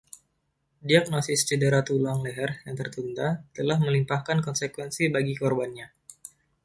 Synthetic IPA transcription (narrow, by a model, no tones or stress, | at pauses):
diak̚nosɪst͡ʃədəɾat̪ulaŋlɛɦɛrjaŋt̪ərt̪und̪at̪əlahməlimpahkankɔnsekwɛnsibaɡikɔrbanɲa